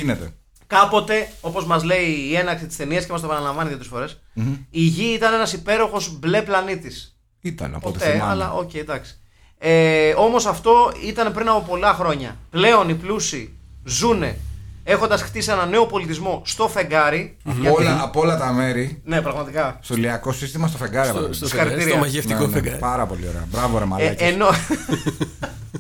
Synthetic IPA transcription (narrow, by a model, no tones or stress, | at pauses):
inet̪ḛ | kɐpo̞t̪e̞o̞po̞zmɐzle̞iːe̞nɐksit̪i̥st̪e̞niɐscemɐs̬topɐnɐlɐɱvɐniðjot̪ɾsfo̞ɾe̞siʝiit̪ɐne̞nɐsipe̞ɾo̞xo̞zble̞plɐnit̪is | it̪ɐ̰nɐ̰pot̪t̪eɐlɐ̰ʔo̞̰ceid̪ɐksi̥ | eo̞mo̞sɐft̪o̞it̪ɐne̞pɾinɐpo̞po̞lɐxɾo̞ɲɐ̰ple̞o̞niplusizune̞e̞xo̞nd̪ɐsxt̪isie̞nɐne̞o̞po̞lit̪izmo̞st̪o̞fe̞ŋɡɐɾiolɐɐpolɐt̪ɐme̞ɾine̞pɾɐɣmɐt̪ikɐst̪oliɐko̞sist̪imɐs̬t̪ofe̞ŋɡɐɾiɐlɐisɐɾit̪iɾiɐɐʝefnt̪ikonɐɾɐpo̞lḭoɾḛɐ̰bɾɐvoɾemɐlɐceno